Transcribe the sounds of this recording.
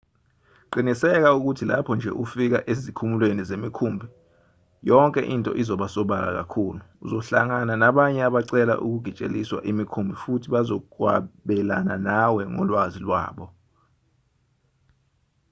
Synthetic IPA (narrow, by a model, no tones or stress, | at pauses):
ǃinisɛk̬auk̬utʰila̰pʰɔnd͡ʒʱɛ̰ʔufik̬aʔezikʰumulwenizemikʰumbʱi | jɔŋkʼɛ̰ʔintʼɔ̰ʔizɔɓasɔɓal̬a̰k̬a̰kʰuːluːzɔɬaŋananaɓaɲɛaɓaǀɛla̰ʔṵk̬uɡ̥ʱit͡ʃʼḛliswa̰ʔimikʰumbʱifutʰiɓazɔk̬wa̰ɓɛla̰nanawɛŋɔ̰lwazilwa̰ːɓɔ